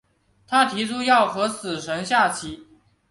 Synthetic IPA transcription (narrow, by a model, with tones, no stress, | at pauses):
t̪ʰa˥t̪ʰi˧˥ʈ͡ʂʰu˥jɑ˥˩ʊxɤ˧˥sɹ̩˨˩ʂə˧˥ŋɕja˥˩t͡ɕʰi˧˩